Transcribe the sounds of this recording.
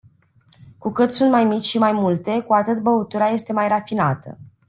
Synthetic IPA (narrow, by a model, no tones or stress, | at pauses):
kukɨt̪sunt̪̚majmit͡ʃʲʃimajmult̪e̞kuat̪ɨt̪̚bəut̪uɾaje̞st̪e̞majrafinat̪ə̰